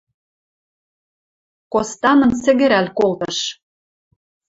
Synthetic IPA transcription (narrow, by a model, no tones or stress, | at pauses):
kost̪ɑnɤ̆nsɘ̆ɣɘ̆ɾælkolt̪ɤ̆ʃ